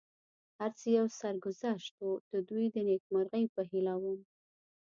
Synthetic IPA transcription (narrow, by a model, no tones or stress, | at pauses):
haɾt͡səjawsaɾɡʊzaʃt̪od̪̥əd̪ujd̪ənek̚maɾɣəjpəɦilawəm